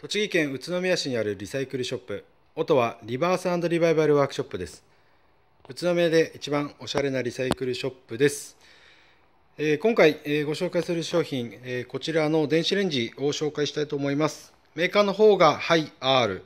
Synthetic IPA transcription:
t̪o̞t͡ɕiɡʲikẽ̞ɰ̃ɯ̟t͡sɨno̞mʲijaɕiɲ̟iaɾɯ̟ɾʲisaikɯ̟ɾɯ̟ɕo̞pːɯ̟ | o̞t̪o̞βaɾʲibaːsãnd̪o̞ɾʲiβaiβaɾɯ̟βaːkɯ̟̥ɕo̞pːɯ̟d̪e̞sɨ̥ | ɯ̟t͡sɨno̞mʲiad̪e̞ʔit͡ɕibão̞ɕaɾe̞naɾʲisaikɯ̟ɾɯ̟ɕo̞pːɯ̟d̪e̞sɨ̥ | eːkõŋkaieːɡo̞ɕo̞ːkaisɨɾɯ̟ɕo̞ːçĩŋeko̞t͡ɕiɾano̞d̪ẽ̞ɰ̃ɕiɾẽ̞ɲ̟d͡ʑio̞ɕo̞ːkaiɕi̥t̪ait̪o̞ːmo̞imasɨ̥ | me̞ːkaːno̞ɦo̞ːɡahaiaːɾɯ̟̰

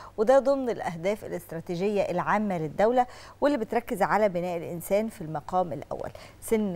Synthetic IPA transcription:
wɪd̪æːd̪ˤomnɪlʔæɦd̪æːfɪ̰lʔɪst̪ɾˤɑːt̪iːʒɪjːæʔlʕaːmːælɪd̪ːæwlæ | welːibɪt̪ɾˤɑkːɪzʕalæbɪnæːʔɪlʔɪnsæːnfilmɑqɑːmɪ̰lʔæ̰wːæ̰l | senː

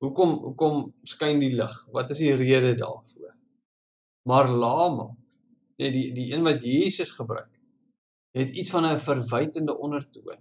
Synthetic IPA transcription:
ɦukɔmɦṵkɔmskɐjndiləχvɐtəsdiriədədɑ̰ːrfuər | mɐrlɑːmɐ̰ | nɛdidiiənvɐtjiːsəsχəbɾœ̰ɥk̚ | ɦɛtitsfɐnəfərvɛjtəndəʔɔnərtuən

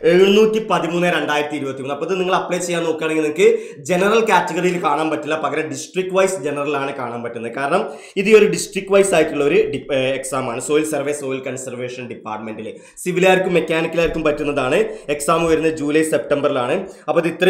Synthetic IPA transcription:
eɻɨnuːtːipɐðimuːnːɨeɾe̞ɳɖaːjɾɐt̪ːiɾubɐt̪ːimuːnːɐpːoðɨniŋːɐɭɐpːɭeːt͡ɕe̞jːaːnːo̞ːkːaɐɳeŋɡilnikːɨ | d͡ʑe̞nɐrɐlkʲaːtːɐɣɐrijilkaːɳaːmpɐtːulːɐpɐɣɐɾeɖisʈrik̚ʈːʋɐjsd͡ʑe̞nɐrɐlaːɳɨkaːɳaːmpɐtːunːɐðɨkaːɾɐɳɐm | iðijo̞ɾuɖisʈrik̚ʈːʋɐjsaːjɐtːuɭːɐo̞ɾuɖieksaːmaːɳɨso̞ːjilsɐrʋeːso̞ːjilkɐnsɐrʋe̞ːʂɐnɖipːaːrʈme̞nɖile | siʋilaːjrkʲːumːe̞kʲːaːnikːɐlaːjiɾkʲːumpɐtːunːɐðaːɳɨe̞ksaːmujɐɾunːɐd͡ʑuːlɐjse̞p̚ʈɐmbɐrilaːɳɨɐpːoðit̪ːɾɐ

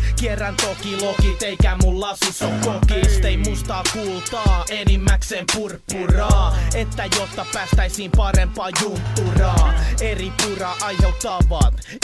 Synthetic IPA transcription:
kierːænt̪okilokit̪eikæmulːɑsisokkokiːst̪eimuːst̪ɑːkuːlt̪ɑːenimːæksempurpːurɑːet̪ːæjot̪ːɑpæːst̪æisiːmpɑrempɑːjump̪ːurɑːeripurɑʔɑjhet̪ːɑʋɑːt̪

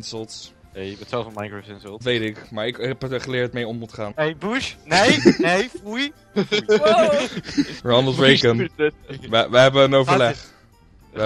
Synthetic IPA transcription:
nsəlˠts | ejmɛtsɛlˠfənmajɡɹosɪnsəlˠtʋejtɪkmaːɹɪkɛpχəlɪːɹtmejɔmmutχaːnejbuʃnejnejfuj | ɹɑnəlˠtɹejɡən | əʋəɦɛbəənowvəɹlɛχ

